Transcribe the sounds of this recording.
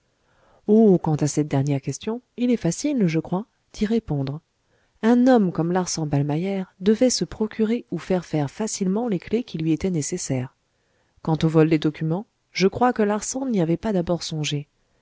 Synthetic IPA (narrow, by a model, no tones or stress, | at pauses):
okɑ̃t̪asɛt̪̚d̪ɛʁnjɛʁkʲɛst̪jɔ̃ilɛfasilʒəkχwa | d̪̥iʁepɔ̃d̪ʁ | ɛ̃nɔmkɔmlaʁsɑ̃balmajɛʁd̪əvɛsəpχɔkʲʰyʁeufɛʁfɛʁfasilmɑ̃leklekʲilɥiet̪ɛnesesɛːʁ | kɑ̃t̪ovɔld̪ed̪ɔkʲymɑ̃ | ʒəkχwakəlaʁsɑ̃niavɛpad̪abɔʁsɔ̃ʒe